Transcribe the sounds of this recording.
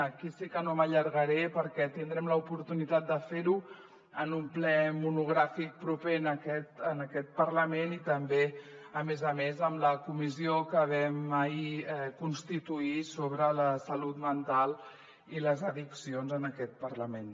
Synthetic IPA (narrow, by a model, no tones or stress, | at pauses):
əkisikənoməʎəɾɣəɾɛpəɾkɛt̪ind̪ɾɛmləupuɾt̪unit̪at̪̚d̪əfeɾu | ənumplɛmunuɣ̞ɾafik̚pɾupenəkɛt̪ənəkɛt̪̚pərləmenit̪əmbeəmezəmezəmləkumiziokəβɛməiɛkunst̪it̪uisoβɾələsəlut̪mənt̪alˠ | iləzəðiksionzənəkɛt̪̚pəɾləmen